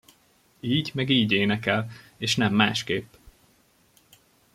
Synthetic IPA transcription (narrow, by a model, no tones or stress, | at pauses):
iːɟmɛɡiːɟeːnɛkɛleːʃnɛmːaːʃkeːpː